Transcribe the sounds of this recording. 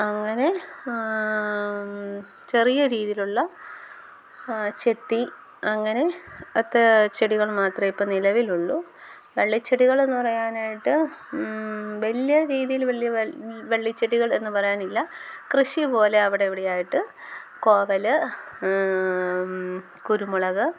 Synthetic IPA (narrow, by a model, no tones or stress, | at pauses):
ɐŋːɐne̞ | t͡ɕe̞rijɐɾiːðijiluɭːɐ | t͡ɕe̞t̪ːi | ɐŋːɐne̞ɐt̪ːɐt͡ɕeɽiɣɐɭmaːt̪rɐmipːonilɐʋiluɭːu | ʋeɭːit͡ɕːeɽiɣɐɭe̞nːɨpɐrɐjaːnaːjiʈːɨ | ʋɐlijɐɾiːðijilʋɐɭːijɐʋeɭːit͡ɕːeɽiɣɐɭe̞nːɨpɐrɐjaːnilːɐkrɨɕipo̞ːle̞ɐʋiɽeiʋiɽejaːjiʈːɨkoːʋɐlɨ | kuɾumuɭɐɣɨ